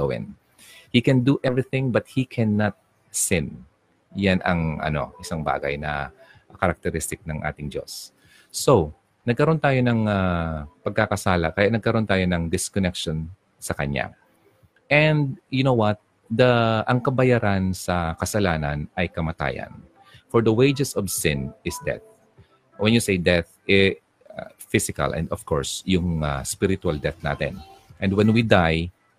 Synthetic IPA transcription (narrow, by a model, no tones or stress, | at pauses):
owɛ̰̃n | hikɛ̃nd̪uʔɛvɹiθɪ̃ŋbɐt̪̚hikʰɛnːat̪̚ | sɪn | janɐ̰ŋʔɐ̰no̞̰ʔɪsaŋba̰ːɡɐ̰jnɐ̰ | kɐɾɐk̚t̪ɛɾɪst̪ɪk̚nɐŋʔa̰ːt̪ɪŋd͡ʒo̞̰sː | ow | nɐɡkɐɾo̞nt̪aːjo̞nɐŋapɐɡ̚kakɐsaːlɐ̰kɐjaʔnɐɡkɐɾo̞nt̪aːjo̞nɐŋd̪ɪskonɛkʃon | sɐkɐ̰ɲa̰ | ʔɛ̃nd̪̚jʊnowwɐt̪̚ | d̪ɐʔɐŋkɐbɐjaɾʔansɐkɐsɐlaːnɐ̰nɐjkɐmɐt̪a̰ːjɐ̰n | fɔɹd̪ɐwejd͡ʒɛsɔvsɪ̃nɪsd̪ɛ̰θ | wɛ̃njusejd̪ɛθ | ʔɛ | fɪsɪkɐ̰lʔɛ̰̃nd̪ɔv̥kɔ̰ɹsjʊŋaspɪɾɪt̪ʊald̪ɛθna̰ːt̪ɛ̰nʔɛ̃nd̪wɛnwid̪aj